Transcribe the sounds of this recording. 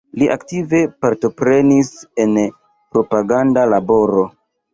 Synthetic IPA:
liʔaktive̞paɾto̞pɾe̞nise̞n | pɾo̞paɡandalabo̞ɾo̞

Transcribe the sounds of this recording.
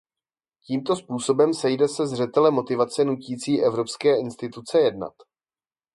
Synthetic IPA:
ciːmt̪o̞spuːso̞bɛmsɛjdɛsɛzr̝ɛt̪ɛlɛmːo̞t̪ɪvat͡sɛnuciːt͡siːʔɛvɾo̞pskɛːɪnst̪ɪt̪ut͡sɛjɛdna̰t̪

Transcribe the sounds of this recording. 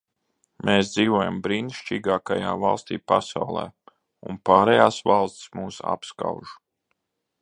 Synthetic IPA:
mʔeːsd̪ziːvoɔjambɾiːnʃt͡ʃiːɡaːkajaːvɑlˠst̪ʲḭːpasawlˠɛ̰ː | unpaːɾɛjaːsvalˠst̪smuːsa̰pska̰wʒu

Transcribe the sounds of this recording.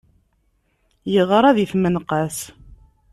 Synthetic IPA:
jəʁəɾˤɑðiθmənqəs

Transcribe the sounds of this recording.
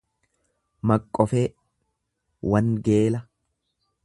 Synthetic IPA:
mɐkʼːɔfeː | wɐnɡe̞ːlɐ

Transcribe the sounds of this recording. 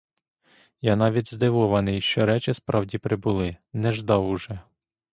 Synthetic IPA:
janɑʋʲitʲzd̪ɪʋɔʋɐnɪjʃt͡ʃɔɾɛt͡ʃɪspɾʔɑwdʲipɾɪbʊlˠɪnɛʒd̪ɑwʊʒɛ

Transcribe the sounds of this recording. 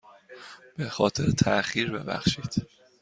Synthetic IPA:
b̥e̞xɒːt̪ʰe̞ɾet̪ʰæʔxiːɾbe̞bæ̰xʃiːd̪̥

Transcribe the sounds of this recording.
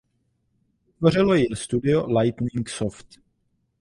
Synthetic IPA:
t̪vor̝ɪlo̞jɪst̪udɪolajt̪niŋksoft̪

